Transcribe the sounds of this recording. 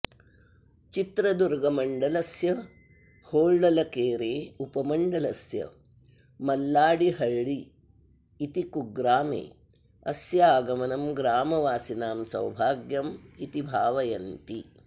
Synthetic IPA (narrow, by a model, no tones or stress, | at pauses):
t͡ʃit̪ɾɐd̪uɾɡɐmɐɳɖɐlɐsjɐ | hoːɭɖɐlɐkeːɾeːupɐmɐɳɖɐlɐsjɐ̰ | mɐlːaːɽiɦɐɭːiː | t̪ikuɡɾaːmḛː | ɐ̰sjɐaːɡɐmɐnɐmɡɾaːmɐʋaːsinaːmsɐ̰wbʱaːɡjɐmit̪ibʱaːʋɐjɐnt̪i